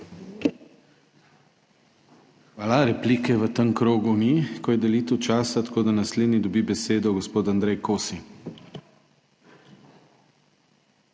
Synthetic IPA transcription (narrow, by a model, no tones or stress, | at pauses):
xʋaːlaɾɛpliːkɛʋət̪əŋkɾoːɡumikɔjɛd̪ɛliːt̪əwt͡ʃaːsat̪ḁkoːd̪anasled̪nid̪ɔbibɛseːd̪ɔɡɔspoːt̪and̪ɾɛjkʰoːsi